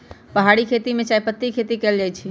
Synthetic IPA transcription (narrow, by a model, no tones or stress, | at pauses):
pəɦaɽikʰet̪imẽt͡ʃajpət̪ːikʰet̪ikɛld͡ʒajt͡ʃʰi